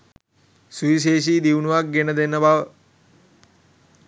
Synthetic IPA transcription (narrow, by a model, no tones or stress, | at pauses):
suiʃ̬eːʃ̬iːd̪iwnuʋak̚ɡenəd̪enːəbaʋə